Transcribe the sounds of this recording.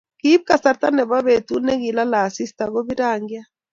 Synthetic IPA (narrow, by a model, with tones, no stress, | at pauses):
ki˦p̚ka˨sa˨ɾta˦nɛ˨βa˦βe˨tu˦nɛ˦ɣi˨la˦la˨si˦sta˨ɣo˦βi˦ɾa˨ŋɡja˦